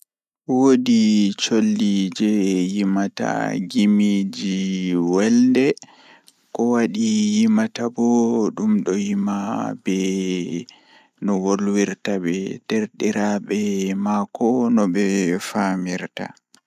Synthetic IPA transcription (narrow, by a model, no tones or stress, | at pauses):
wodit͡ʃolːid͡ʒɛjimata̰ɡimid͡ʒiwɛldɛ | kɔwaɗijimatabɔɗumɗɔjimabɛ | nɔwolwiɾtabɛd̥eɾɗiɾabɛmakʰɔnɔbɛfamiɾta̰